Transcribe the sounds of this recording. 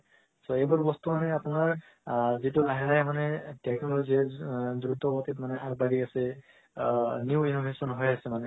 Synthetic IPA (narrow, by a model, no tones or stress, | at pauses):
sɔejbɔɹbɔst̪umanɛapʊnaɹ | zitulaɦiɹajmanɛtɛkɔloziɛdut̪ɔbɔt̪itmanɛʔak̚baɡikasɛ | njuwinobʱesɔnɦɔjasɛmanɛ